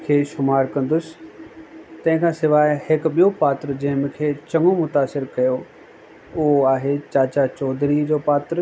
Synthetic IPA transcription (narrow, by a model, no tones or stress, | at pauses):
kʰeːʃʊmaːɾkɐ̃nd̪ʊs | t̪ɐ̃ɦɪ̃kʰãːsɪʋaːɪhɪkɓijopaːt̪ɾəd͡ʑɐ̃ɦɪ̃mɪ̃kʰeːt͡ɕɐŋomʊt̪aːsɪɾkɐjo | ʊɦoaːɦet͡ɕaːt͡ɕat͡ɕɔːd̪ʱɾid͡ʑoːpaːt̪ɾ